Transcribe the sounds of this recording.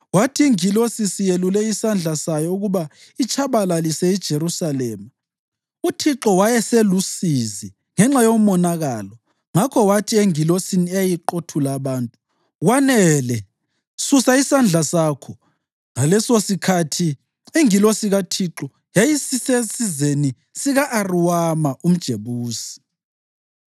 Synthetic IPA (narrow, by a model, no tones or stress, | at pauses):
watʰiːŋilosisijelulɛisand͡ɮʱasajɔuɣuβa | it͡ʃʰaβalalisɛid̥ʒ̥ʱeɾusalɛːma | utʰiǁɔwajɛselusizi | ŋɛŋ͡ǁajomɔnaɣalɔ | ŋakʰɔwatʰieŋilosiniɛjajiǃotʰulaβaːntʼu | ɣwanɛlɛ | susaisand͡ɮʱasaːkʰɔ | ŋalɛsosikʰatʰi | eŋilɔsiɣatʰiǁɔ | jajisisesizeni | siɣaʔːriwamaum̩d̥ʒ̥ʱeβuːsi̥